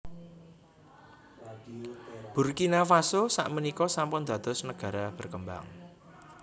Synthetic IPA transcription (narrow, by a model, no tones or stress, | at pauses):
b̥urkinafasosa̰ʔmənikɔsampʊnd̪̥ä̤d̪̥ɔ̤snəɡ̥ä̤ɾab̥ə̤rkəmba̰ŋ